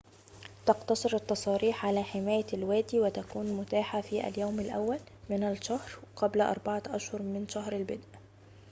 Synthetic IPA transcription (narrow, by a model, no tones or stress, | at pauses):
t̪ɑqt̪ɑsˤɨɾɑt̪ːɑsˤɑːɾiːħʕalaħɪmaːjalwaːd̪iːwɪt̪akuːnmʊt̪aːħafiːʔa̰ljaːmalʔa̰wːal | mɪnalʃahɾqablʔɑ̰ɾˤbɑʕaʔaʃhʊɾmɪnʃaɦɾalbɪd̪ʔ